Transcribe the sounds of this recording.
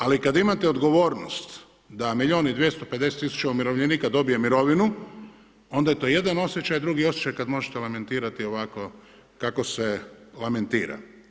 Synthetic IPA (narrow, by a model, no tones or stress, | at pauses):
alikad̪aimat̪eod̪ɡo̞ʋo̞ːɾnost̪ | d̪amiʎo̞ːnid̪ʋjest̪ope̞d̪e̞set̪ːisu̥t͡ʃaumiɾo̞ʋʎʲeniːkad̪o̞bijemiɾo̞ʋinu | o̞nd̪ajet̪oje̞d̪ano̞sʲje̞t͡ʃajd̪ɾuɡio̞sjet͡ʃajkad̪mo̞ʒet̪elame̞nt̪iːɾat̪io̞ʋako̞ | kako̞se̞lame̞nt̪ḭːɾa̰